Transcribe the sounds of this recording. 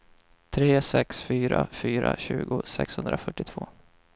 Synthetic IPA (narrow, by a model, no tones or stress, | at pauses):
t̪ʰɾeːsɛksfyːɾafyːɾaɕʉ̟ːɡʊsɛkshɵnd̪ɾafœʈːɪt̪ʰv̥oː